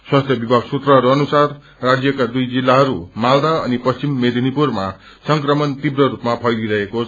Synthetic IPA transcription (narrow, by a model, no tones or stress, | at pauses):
swast̪ʰjʌbibʱaɡsut̪rʌɦʌɾuʌnusarː | ad͡zjʌkad̪ujd͡zilːaɦʌɾumald̪aʌnipʌst͡simːed̪ʱinipurma | sʌŋkrʌmʌnt̪ibrʌɾupmapʰʌjɡ̪iɾʌɦeko